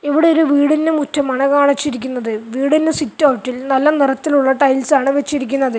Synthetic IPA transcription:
iʋiɽe̞o̞ɾuʋiːɽindemutʰːɐmaːɳɨkaːɳit͡ɕːiɾikʲːunːɐðɨʋiːɽinːesitːoːʋʈːilnɐlːɐnirɐt̪ːiluɭːɐʈɐjlsaːɳɨʋet͡ɕːiɾikʲːunːɐðɨ

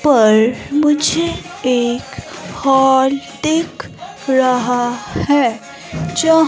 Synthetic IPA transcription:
pɐɾmʊd͡ʒʱe | eːkhɔːlt̪ekʰ | ɾɐɦahɛ | d͡ʒɐ

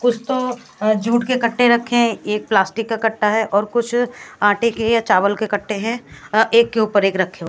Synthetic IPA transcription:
kʊt͡ʃʰt̪o | d͡ʒʱuːʈkekɐʈʰːeɾɐkʰːẽeːk̚plaːsʈɪkːakɐʈːaɦɛʔɔːɾkʊt͡ʃʰãːʈekejat͡ʃaːʋəlkekɐʈʰːeɦɛ̃eːkːeuːpəɾeːkɾɐkʰːẽo

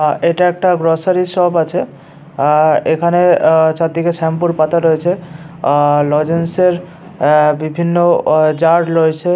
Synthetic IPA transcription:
eʈaɛk̚ʈaɡɾosaɾisɔbat͡ɕʰe | ekʰanet͡ɕad̪ikeʃɛmpuɾpat̪aɾojet͡ɕʰe | lɔd͡ʑenseɾ | bibʱinːod͡ʑaɾɾojt͡ɕʰe

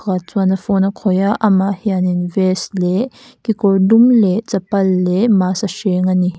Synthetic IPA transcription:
ɣat͡suanɐfɔnakʰɔjaʔɐmahianinvɛslɛ | kikɔrdumlɛt͡sɐpɐlːɛmasɐʃɛŋani

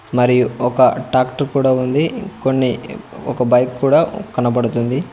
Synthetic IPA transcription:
mɐɾijuɔkɐʈaːkʈɐɾkuːɽaːund̪ikonːiɔkɐbɐjkːuːɽaːkɐnɐpɐɽut̪und̪i

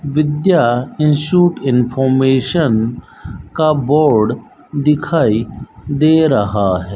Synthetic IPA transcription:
ʋɪd̪jaɪ̃nsʃuːʈɪnfʰɔːɾmeːʃən | kabɔːɾɖ | d̪ɪkʰaːid̪eɾɐɦaɦɛː

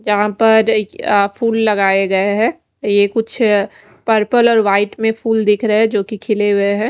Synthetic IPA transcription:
d͡ʒɐɦãpɐɾfʰuːlːɐɡaːeɡɐeɦɛ̃ː | jekʊt͡ʃʰ | pəɾpəlɔːɾʋaːɪʈmẽfʰuːld̪ɪkʰɾɐɦɛd͡ʒoːkikʰɪleɦueɦɛ̃ː

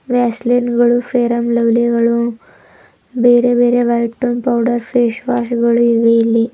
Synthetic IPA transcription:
ʋɛslinɡəɭufeɾəmləʋliɡɐɭu | bʱeɾebeɾeʋajʈːunpawɖəɾfeɕʋaɕɡəɭuiʋeli

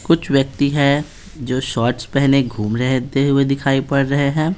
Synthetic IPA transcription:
kʊt͡ʃʰʋjɐk̚t̪iɦɛ | d͡ʒoːʃɔːɾʈspɛɦneɡʱuːmɾɛɦt̪eɦʊed̪ɪkʰaːipɐɽːɐɦeɦɛ̃ː

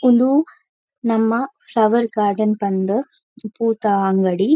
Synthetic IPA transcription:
und̪u | nɐmːɐflɐʋɐɾkaːɾɖɐnpɐnd̪ɯ | puːt̪aŋɡɐɽi

